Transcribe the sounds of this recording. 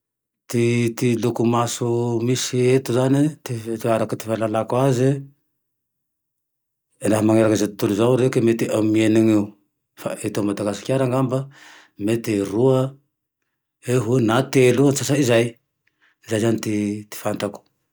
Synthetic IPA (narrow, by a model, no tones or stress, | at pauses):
t̪it̪ilukumasumisiet̪uzanit̪t̪aɾakat̪i̥falalakuazi | ndaɦamaŋeɾakazet̪u̥t̪uluzawɾekemet̪iamieniŋiu | fa̰et̪omat̪aɡasu̥kʲaɾaŋɡamba | met̪eɾua | eɦunat̪eluansasaizaj | izajzanit̪it̪i̥fant̪aku̥